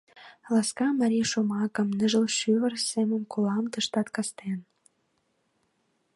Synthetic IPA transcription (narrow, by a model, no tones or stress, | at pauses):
lɑskɑmɑɾʲiʃomɑkə̆mnə̆ʒə̆lʃyβə̆rsemə̆mkolɑmt̪əʃt̪ɑt̪kɑst̪en